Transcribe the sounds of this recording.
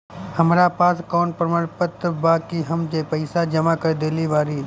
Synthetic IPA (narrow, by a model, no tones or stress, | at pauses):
həmɾapaːskɔːnpɾəməɾpət̪baːkiɦəmd͡ʒeːpəɪsad͡ʒɐmakəɾd̪eːliʋaːɾiː